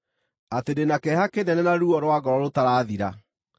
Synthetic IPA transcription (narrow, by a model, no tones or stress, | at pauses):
atedenakɛhakenɛnɛnaɾuɔɾwaɡɔɾɔɾotaɾaːðiɾa